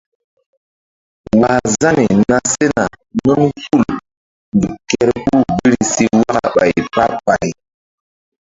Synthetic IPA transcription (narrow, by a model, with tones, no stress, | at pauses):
wa˨za˦ni˨na˦se˦na˨ | nɔ˦nfu˦˨l | ndu˨kɛ˦ɾku˦˨bi˦ɾi˦˨si˦wa˦ka̰˨ɓa̰˨jpa˦pa˨j